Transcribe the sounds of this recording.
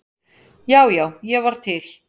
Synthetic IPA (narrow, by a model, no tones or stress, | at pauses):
jaːwjaːwjɛvaɾ̥t̪ʰɪl